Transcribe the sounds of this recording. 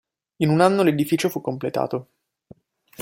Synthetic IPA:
inunanːoled̪ifiːt͡ʃofukːomplet̪a̰ːt̪o

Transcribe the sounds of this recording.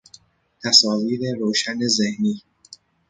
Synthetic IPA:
t̪ʰæsɒːviːɾe̞ɾoːʃænezehniː

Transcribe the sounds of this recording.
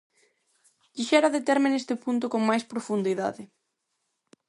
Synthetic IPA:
d̪̥iʃɛɾaðet̪ɛɾmɪnest̪ɪpunt̪̬okoŋmajspɾofund̪iða̰ðɪ

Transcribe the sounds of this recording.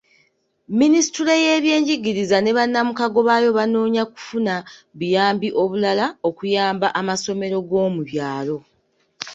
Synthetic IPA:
minisi̥tuɾle̞je̞ːβje̞ːɲɟiɡiɾizane̞βanːamukaɡo̞βajo̞βano̞ːɲaku̥funaβijaːmbiʔo̞βulalao̞kujaːmbaʔamaso̞me̞ɾo̞ɡo̞ːmuβjaːlo̞

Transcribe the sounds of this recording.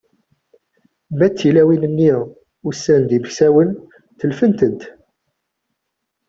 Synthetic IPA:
mæt͡sːilæwinənːiʁ | ʊsːænd̪iməçsæwən | θəlfənt̪ənt̪

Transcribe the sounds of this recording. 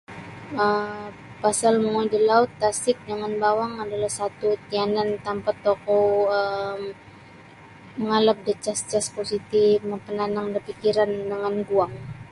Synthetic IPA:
ə | pasalməŋodəlaʊt̪ːasɪk̚dəŋanbawaŋadalahsat̪ut̪ianant̪ampat̪ːokoəm | əŋalap̚dət͡ʃast͡ʃasposit̪iməpənanaŋdərpikiɾandəŋanɡuaŋ

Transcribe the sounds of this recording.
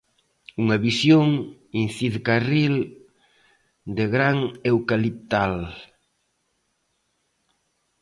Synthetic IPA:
uŋaβisjoŋinθiðkaril | d̪eɣɾaŋewkalip̚t̪al

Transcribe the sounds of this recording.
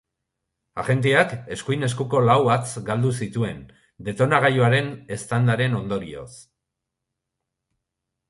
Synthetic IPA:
a̰ʝe̞nt̪̬iake̞skujne̞skuko̞lawβat͡sɡald̪usit̪ue̞n | d̪e̞t̪o̞naɣ̞ajoaɾe̞ne̞st̪and̪aɾe̞no̞nd̪o̞ɾio̞̰s

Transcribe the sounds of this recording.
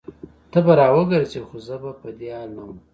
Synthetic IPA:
t̪əbaɾɑwəɡəɾt͡ʃexozəbapəd̪eɑlnam

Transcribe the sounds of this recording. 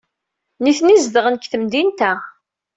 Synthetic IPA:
niθnizd̪əʁənkːθəmd̪int̪æ

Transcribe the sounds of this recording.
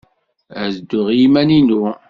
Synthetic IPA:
æzd̪ːʊʁjimæninu

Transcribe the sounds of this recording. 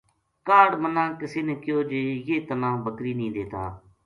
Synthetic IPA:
kaːɽmənãːkɪseːnekɪjoːd͡ʒeːjeːt̪ənãːbəkɾiːnĩːd̪eːt̪a̰ː

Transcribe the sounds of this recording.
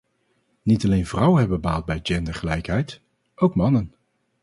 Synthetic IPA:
nitɑlejnvrʌwənɦɛbəbəbaːlˠd̚bɛjd͡ʒɛndəɹχəlɛjkɦɛjt | owkmɑnən

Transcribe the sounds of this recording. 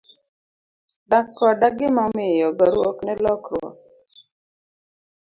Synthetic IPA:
ɖakːɔɖaɡɪmamejɔɡəɾuɔknɛlɔkʰɔ̰

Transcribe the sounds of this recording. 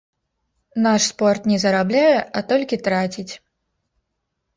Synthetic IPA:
naʂspɔrt̪nʲɛzɐɾablʲajɛʔɐt̪ɔlʲkʲit̪ɾat͡sʲit͡sʲ

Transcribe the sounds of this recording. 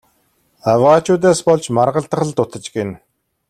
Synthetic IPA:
awaːt͡ɕʊːt̪̬eːspɔɮt͡ɕmarʁə̆ɮt̪ə̆χə̆ɮt̪ʊt̪ə̆t͡ɕɡen

